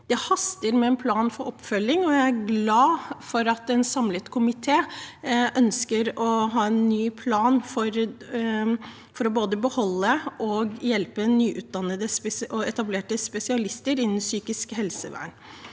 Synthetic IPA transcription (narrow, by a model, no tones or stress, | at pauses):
d̪̥ɛhɑst̪əɾmɛɛnpʰlɑːnfɔɾɔpːfœlːɪŋɔjæɪæɾɡlɑːfɔɾɑt̪ɛnsɑmlət̪kʰʊmɪt̪ʰeːʔœnskəɾɔɦɑːɛnːyːpʰlɑːnfɔɾ | fɔɾɔboːd̪əbəhɔlːəʔɔɡjɛlpənyːʔʉːt̪̚d̪ɑnːəd̪əsɔɛt̪ɑbleːʈəspɛsɪɑlɪst̪əɾɪnːn̩syːkɪskhɛlsəʋæ̰ːɳ